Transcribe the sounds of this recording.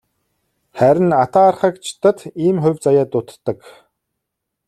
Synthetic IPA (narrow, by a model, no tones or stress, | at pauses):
χæɾʲɪ̆nat̪aːrχə̆kt͡ɕʰɪ̥t̪ə̆t̪iːmχʊ̟wʲt͡sajaːt̪ʊt̪ːə̆k